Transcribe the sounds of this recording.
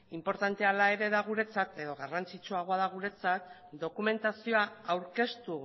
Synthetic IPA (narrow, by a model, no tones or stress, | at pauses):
impo̞ɾt̪ant̪e̞alae̞ɾe̞ðaɣ̞uɾe̞t͡sat̪e̞ðo̞ɣarant͡sit͡suaɣ̞o̞aðaɣ̞uɾe̞t͡sat̪̚ | d̪o̞kume̞nt̪asio̞aawɾke̞st̪u